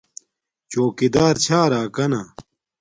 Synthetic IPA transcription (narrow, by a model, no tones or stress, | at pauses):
t͡ɕoːkid̪aːɾt͡ɕʰaːɾaːkɐna